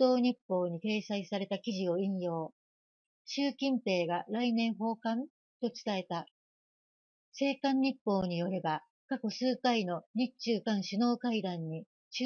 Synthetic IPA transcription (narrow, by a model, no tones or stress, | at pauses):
o̞ːɲ̟ipːo̞ːɲ̟ik̪e̞ːsaisaɾe̞t̪akʲiʑio̞ĩɰ̃jo̞ː | ɕɨːkʲĩmpe̞ːɡaɾainẽ̞ɰ̃ɦo̞ːkãn | t̪o̞t͡ɕɨ̥t̪ae̞t̪a | se̞ːkãɲ̟ːipːo̞ːɲ̟ijo̞ɾeba | kako̞sɨːkaino̞ɲ̟it͡ɕɨːkãɰ̃ɕɨno̞ːkaid̪ãɲ̟ːi | t͡ɕ